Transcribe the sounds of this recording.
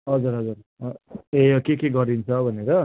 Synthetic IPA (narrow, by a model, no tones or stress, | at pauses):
ɦʌd͡zuɾɦʌd͡zuɾ | eokekeɡʌɾint͡sʰʌbʱʌneɾʌ